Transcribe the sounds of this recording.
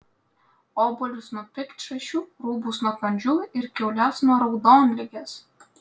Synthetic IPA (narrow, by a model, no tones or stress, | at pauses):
oːbʊlʲʊsnʊɔpʲɪkt̪ʲʃɐʃʲuːɾuːbusnuɔkɐnʲd͡ʒʲuɪɾkʲɛʊlʲɛsnuɔɾɒʊd̪oːnʲlʲɪɡʲeːs